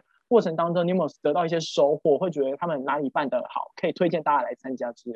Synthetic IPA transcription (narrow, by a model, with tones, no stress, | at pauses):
kwɔ˥˩ʈ͡ʂʰɤ˧˥ŋt̪ɑ˥ŋʈ͡ʂo˥ŋn˧˥m˧˩jo˨˩t̪ɤ˧˥t̪ɑ˥˧ʊi˥˩ɕjɛ˥ʂo˧˥ʊxwɔ˨˩xwe˥˩ɪt͡ɕɥɛ˧˥d̪ə˧t̪ʰa˥mə˨nna˧˥li˨˩pa˥˩nd̪ə˩xɑ̰˨˩˦ʊkʰɤ˧˥i˨˩t̪ʰwe˥ɪt͡ɕjɛ˥˧nt̪a˥˧t͡ɕja˥˩la˧˥ɪt͡sʰa˥nt͡ɕja˥ʈ͡ʂɻ̩˥˨˩